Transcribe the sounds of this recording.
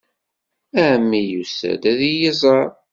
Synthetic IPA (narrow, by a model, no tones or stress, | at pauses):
æmːijusæ̰d̪æðijizˤɑɾˤ